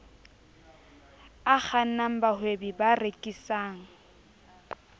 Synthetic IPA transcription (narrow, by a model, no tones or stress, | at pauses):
ak͡xan̩naŋ̩bahwebibarekʼisaːŋ̩